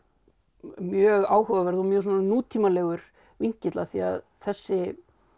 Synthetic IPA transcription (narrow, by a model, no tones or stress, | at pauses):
mjœːɣaːwɦœvavɛɾðɔmjœ̥ːs̬ɔnnuːt̪ʰiːmalɛːɣʏɾ̥ | viɲcɪt̪la̰θia̰ð | θɛsːɪ